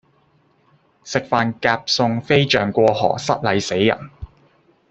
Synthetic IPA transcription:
sɪ˨k̚faː˧nkaː˧p̚sʊ˧ŋfe˥jt͡ʃœː˨˩ŋkʷɔː˧hɔ̰ː˨˩sɐ˥t̚lɐ˨˧jse˨˥jjɐ̰˨˩n

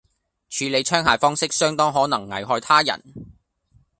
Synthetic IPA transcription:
t͡ʃʰyː˨˧le˨˧jt͡ʃʰœː˥ŋɦaː˨fɔː˥ŋsɪ˥k̚sœː˥ŋt̪ɔː˥ŋɦɔː˨˥nɐ˨˩ŋːɐ̰˨˩jɦɔː˧jt̪ʰaː˥jɐ̰˨˩n

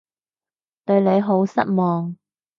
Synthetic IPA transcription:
t̪ɵ˧ɥne˨˧jɦo˨˥wsɐ̰˥t̚mɔː˨ŋ

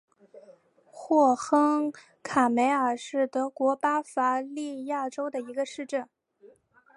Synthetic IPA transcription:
xwɔ˥˩xɤ˥ŋ | kʰa˨˩me˧˥ɪə˞˨˩ʂɻ̩˥˩t̪ɤ˧˥kwɔ˧˥pa˥fa˧˥li˥˧ja˥˩ʈ͡ʂo˥ʊd̪ə˨i˧˥ɡə˧ʂɻ̩˥˧ʈ͡ʂə˥˩n

